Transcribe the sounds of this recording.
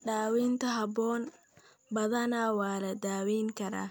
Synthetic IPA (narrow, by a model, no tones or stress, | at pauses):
ɖaːwiːnt̪ʰɐɦɐbɔːn | bɐðɐnawaːlɐd̪aːwiːŋkʰɐɾa̰ː